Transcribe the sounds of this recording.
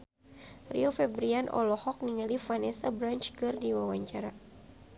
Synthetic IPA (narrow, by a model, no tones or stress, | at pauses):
rḭɔfɛbɾianʔɔ̰lɔhɔk̚niŋalifanɛsabɾant͡ʃkɨrdiwawaɲt͡ʃaɾa